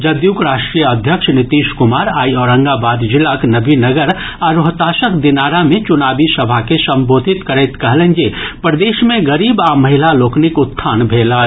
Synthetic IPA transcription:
d͡ʒɐd̪juːkɾaːʃʈɾiːjəɐd̪ʱjəkʃnɪt̪iːʃkʊmaːɾaːiɔːɾə̃ŋɡabaːd̪d͡ʒɪlaknɐbʱinɐɡəɾ | aɾoɦt̪aːʃəkd̪ɪnaːɾamẽt͡ʃʊnaːbisɐbʱakesɐ̃mboːd̪ʱɪt̪kəɾɛːt̪kɐɦlẽnd͡ʒepɾəd̪eːʃmẽɡɐɾiːbaːmɐɦɪlaloːknɪkʊt̪ʰːaːnbʱeːla

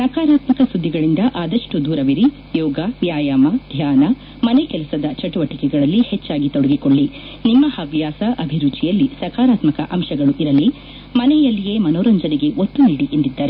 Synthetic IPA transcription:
sɐkaːɾaːt̪mɐkɐsud̪ʱːiɡɐɭind̪ɐʔaːd̪ɐʂʈud̪uːɾɐʋiɾi | jɔːɡɐʋjaːjaːmɐd̪ʱjaːnɐ | mɐnekɛlɐsɐd̪ɐt͡ʃɐʈuʋɐʈikɛɡɐɭɐlːihet͡ʃːaːɡit̪ɔɽɐɡikoɭːi | nimːɐhɐʋjaːsɐʔɐbʱiɾud͡ʒijɐlːisɐkaːɾaːt̪mɐkɐʔɐmʃɐɡɐɭuʔiɾɐli | mɐnɛjɐlːije̞ːmɐnoːɾɐɲd͡ʒɐniɡe̞ʔot̪ːuniɽiʔend̪id̪ːaːɾe

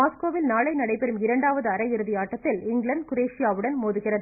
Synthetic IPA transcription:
aːskʋoːʋɪlnaːlɐɪnɐɽɐɪpɛɾɯmɪɾɐɳɖaːʋɐðɯɐɾɐɪɾɯðɪjaːʈːɐt̪ːɪlɪŋɡɭɐɳɖ̚kʊɾeːʂɪjaːʋɯɽɐnmoːðɯɣɪrɐðɯ

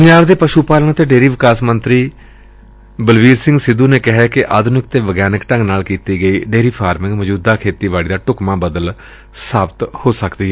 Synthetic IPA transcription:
pəɲd͡ʒaːʋd̪eːpəʃuːpaːləɳ̃t̪eːɖeːɾiːʋɪkaːsmə̃nt̪ɾiː | bəlʋiːɾsɪ̃ŋɡsɪd̪ũːneːkɪɦɛːkɪʔaːd̪ʱnɪk̚t̪eːʋəɡjaːnɪkʈə̃ŋɡnaːlkiːt̪iːɡəiːɖeːɾiːpʰaːɾmɪ̃ŋɡməd͡ʒuːd̪aːkʰeːt̪iːʋaːɭiːd̪aːʈʊkmãːbəd̪əl | saːbt̪hoːsəkd̪iːɦɛː

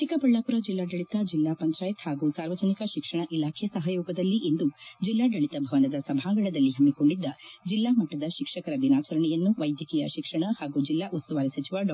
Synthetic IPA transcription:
t̪ikɐpɐɭːaːpuɾɐd͡ʒilːaːɖɐɭit̪ɐd͡ʒilːaːpɐnt̪ɾaːjɐt̪haːɡusaːɾʋɐd͡ʒɐnikɐʃikʂɐɳɐʔilaːkʰɛɐsɐɦɐjɔːɡɐd̪ɐlːiʔend̪ud͡ʒilːaːɖɐɭit̪ɐbʱɐʋɐnɐd̪ɐsɐbʱaːŋɡɐɭɐd̪ɐlːiɦɐmːiko̞ɳɖid̪ːɐd͡ʒilːaːmɐʈːɐd̪ɐʃikʂɐkɐɾɐʋinaːt͡ʃɐɾɐɳɛjɐnːuʋɐjd̪ʱjɐkijɐ̰ʃikʂɐɳɐhaːɡud͡ʒilːaːʔut̪st̪uʋaːɾisɐt͡ʃiʋaɖɐ

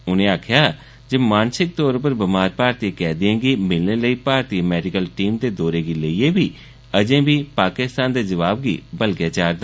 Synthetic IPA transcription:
ʊnẽːaːkʰɪjaː | d͡ʒemaːnsɪk̚t̪ɔːɾʊpəɾbɪmaːɾpaːɾt̪ikɛːd̪ɪẽːɡiːmɪlneːləiːpaːɾt̪iːmɛːɖɪkəlʈiːmt̪eːd̪oːɾeːɡiːləieːbiː | əd͡ʒẽːbiːpaːkɪst̪aːnd̪eːd͡ʒəʋaːbɡḭːbəlɡjaːt͡ʃaːɾd̪aː

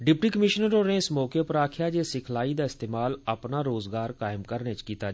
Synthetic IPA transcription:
ɖɪp̚ʈiːkəmɪʃənəɾonẽɪsmɔːkepəɾaːkʰjaːd͡ʒeːsɪkʰlaːid̪aːɪst̪eːmaːləpnaːɾoːzɡaːɾkaːɪmkəɾnet͡ʃkiːt̪aː

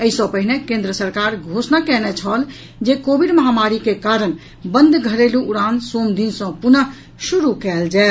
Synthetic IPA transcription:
əisə̃pəɦinekẽnd̪ɾəsəɾkaɾɡʱosnakɛnɛt͡ʃʰəl | d͡ʒekobʱiɖməɦamaɾikekaɾən | bənd̪ɡʱəɾeluʔuɾãnsomd̪insə̃punə | suɾukɛld͡ʒɛet̪

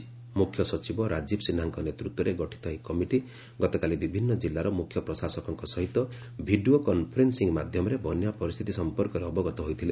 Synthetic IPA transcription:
mukʰːjɔsɔt͡ʃibɔɾad͡ʒibsinaŋkɔnet̪ɾut̪wɔɾeɡɔʈʰi̥t̪ʰɔjkɔmiʈi | ɡɔt̪ɔkalibibʱinːɔd͡ʒilːaɾɔmukʰjɔpɾɔsasɔkɔŋkɔsɔɦit̪ɔ | bʱiɖiokɔnpʰɔɾensiŋmad̪ʱjɔmɔɾebʱɔnjapɔɾist̪ʰit̪isɔmpɔɾkɔɾeɔbɔɡɔt̪ɔɦojt̪ʰile

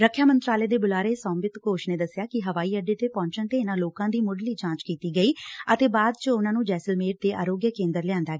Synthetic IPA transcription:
ɾəkʰjaːmənt̪ɾaːleːd̪eːbʊlaːɾeːsɔ̃ːmbɪt̪koːʃneːd̪əsːjaːkɪɦəʋaːiːəɖeːt̪eːpɔ̃ːɲt͡ʃənt̪eːɪnãːloːkãːd̪iːmʊɖliːd͡ʒãːt͡ʃkiːt̪iːɡəiːət̪eːbaːd̪̚t͡ʃəʊnãːnũːd͡ʒɛːsəlmeːɾ̚t̪eːʔa̰ːɾoːɡjəkẽːnd̪əɾlɪjãːnd̪aːɡː

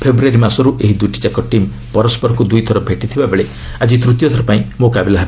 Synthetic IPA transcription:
pʰebɾuaɾimasɔɾuʔeɦid̪ujʈi̥t͡ʃakɔʈim | pɔɾɔspɔɾɔkud̪ujt̪ʰɔɾɔbʱeʈit̪ʰibabeɭe | ad͡ʒit̪ɾut̪jɔt̪ʰɔɾɔpaĩmokabelaɦebe

